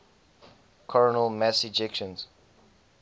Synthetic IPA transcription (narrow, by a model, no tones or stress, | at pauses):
kʰɔɹənəlmasid͡ʒɛkʃə̃nz̥